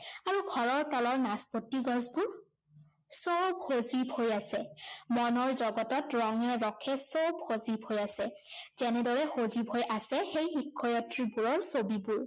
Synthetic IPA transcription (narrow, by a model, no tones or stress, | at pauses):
aɹuɡʱɔɹɔɹtɔlɔɹnaspotːiɡɔ̃zbuɹ | sɔwbhozibʱhojasɛmɔnɔɹzɔɡɔtɔtɹɔŋɛɹɔkʰːɛsɔwbhozibʱhojasɛzɛnɛdɔɹɛxozibʱojʔasɛxejxikʰːɔjatɹibuɹɔɹsobibuɹ